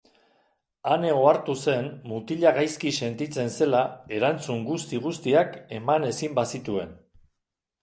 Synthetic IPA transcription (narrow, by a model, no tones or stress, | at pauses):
ane̞ɣo̞aɾt̪use̞nmut̪iʎaɣajskise̞nt̪it͡se̞nse̞lae̞ɾant͡suŋɡust̪iɣ̞ust̪iake̞mane̞simbasit̪ue̞n